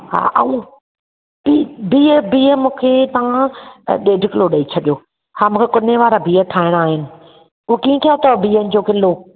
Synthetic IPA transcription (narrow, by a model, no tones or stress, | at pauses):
ha̰ːʔɐũ | biːbiːəbiːəmũːkʰeːt̪ɐʋãɗeːɖʱɪkɪloɗɐit͡ɕʰɐɗijoː | hãːmũːkʰekʊneʋaːɾabiːəʈʰaːɪɽ̃aːɦɪnɪ̆ | ʊɦkiːẽt̪ʰijat̪ɐbiːənɪ̆d͡ʑoːkɪlo